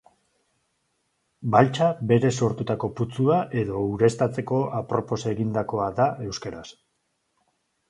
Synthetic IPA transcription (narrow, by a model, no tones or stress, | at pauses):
balt͡ʃabe̞ɾe̞so̞ɾt̪ut̪ako̞put͡suaʔe̞ðo̞uɾe̞st̪at͡se̞ko̞apɾo̞po̞se̞ɣind̪ako̞aðaʔe̞wskeɾas